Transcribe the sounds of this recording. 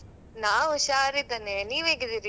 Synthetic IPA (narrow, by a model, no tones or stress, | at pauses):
naːɔʃaːɾid̪ɐneniːʋeːɡid̪iɾi